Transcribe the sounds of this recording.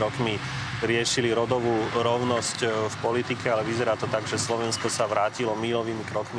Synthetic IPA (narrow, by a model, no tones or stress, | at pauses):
ɾɔkmi | ɾɪɛʃiliɾɔd̪ɔʋuːɾɔʊnɔscfpɔlit̪ikɛalɛʋizɛɾaːt̪ɔt̪aɡʒɛslɔʋɛnskɔsaʋɾaːcilɔmilɔʋiːmikɾɔkmi